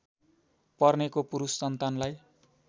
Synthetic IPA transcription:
pʌrnekopuɾusːʌnt̪anlaj

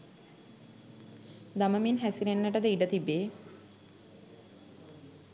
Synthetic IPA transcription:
d̪aməminɦæsiɾenːəʈəd̪əiɖət̪ibːeː

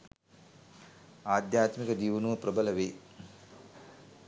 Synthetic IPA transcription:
aːd̪jaːt̪mikɐd͡ʒiːʋɐnuɐpɾɐbɐlɐʋeː

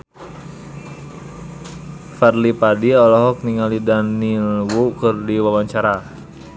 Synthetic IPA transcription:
farlipadiɔlɔɦɔk̚niŋalidanilwukɨrdiwawaɲt͡ʃaɾa

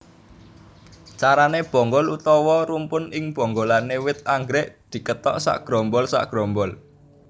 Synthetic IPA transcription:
t͡ʃaɾaneb̥ɔ̤ŋɡɔlut̪ɔwɔɾumpʊnɪŋb̥ɔ̤ŋɡolanewɪt̪̚aŋɡɾɛʔd̪̥i̤kət̪ɔʔsa̰ʔɡ̥ɾɔmbɔlsa̰ʔɡ̥ɾɔmbɔl

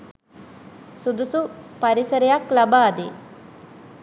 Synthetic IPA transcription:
sud̪usupaɾisəɾejaklabaːd̪e

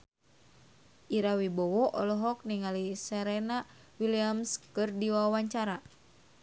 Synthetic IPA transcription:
ʔiɾawibɔwɔʔɔlɔɦɔk̚niŋalisɛɾena | wiliamskɨrdiwawawaɲt͡ʃaɾa

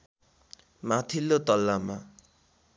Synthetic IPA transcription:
mat̪ʰilːot̪ʌlːama

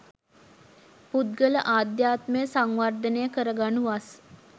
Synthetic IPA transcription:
pud̪ɡələʔaːd̪jaːt̪məjəsaŋʋard̪ənejəkəɾəɡanuʋas

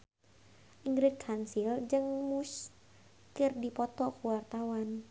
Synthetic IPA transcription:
ʔiŋɡɾɪt̪̚kʰansild͡ʒɨŋmus | kɨrdipɔt̪ɔkuwart̪awan

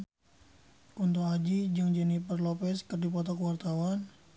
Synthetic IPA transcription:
kunt̪oad͡ʒid͡ʒəŋd͡ʒɛnipərlopɛskərdipɔt̪ɔkəwart̪awan

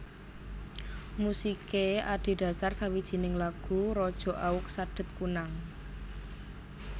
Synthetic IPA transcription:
musikeaɖ̥e̤ɖ̥ä̤sarsawid̥ʒ̥i̤nɪŋlaɡ̥ṳɾɔd̥ʒ̥ɔ̤ʔaʊk̚saɖ̥ə̤t̪̚kunaŋ

